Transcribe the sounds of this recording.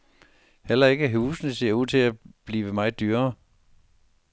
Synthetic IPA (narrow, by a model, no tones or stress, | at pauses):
hel̰ɐe̝ɡ̥əɦuːsnəse̝ɐ̰uð̰ˠt͡sʰe̝æb̥liːʋəmɑ̈ɪd̥yːɐ